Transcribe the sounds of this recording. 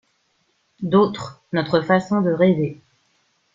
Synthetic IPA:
d̪ot̪χ | nɔt̪χəfasɔ̃d̪əʁeve

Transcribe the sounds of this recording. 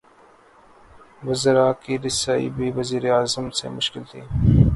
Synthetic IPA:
ʋʊzəɾaːkiɾɪsaːḭbʱiːʋɐziːɾeaːzəmsḛmʊʃkɪlt̪ʰḭː

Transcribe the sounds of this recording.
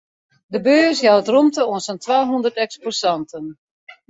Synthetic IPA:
dəbøːsjaətrumtəoənsɔntʋaːɦundərtɛksposɑntən

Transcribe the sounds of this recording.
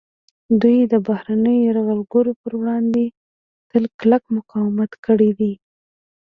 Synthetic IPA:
d̪ujd̪əbahɾanəjɾaɣalɡəɾopəɾwɽɑnd̪e | t̪əlklakmʊqɑwɪmat̪kəɽid̪i

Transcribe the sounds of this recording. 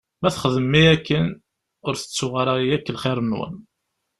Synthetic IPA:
mæθχəðəmːiækːən | ʊɾθə̥t͡sːʊʁaɾajækːəlχɪɾˤənwə̰n

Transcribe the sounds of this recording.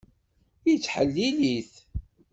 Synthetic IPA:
jit͡sːħəlːiliθ

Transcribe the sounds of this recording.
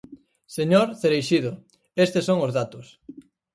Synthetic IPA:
seɲoɾθeɾejʃiðʊ | est̪esoŋʊzðat̪ʊs

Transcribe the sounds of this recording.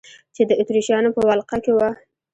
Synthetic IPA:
t͡ʃed̪əʔɪt̪ɾiʃjɑnopəwalqakewa

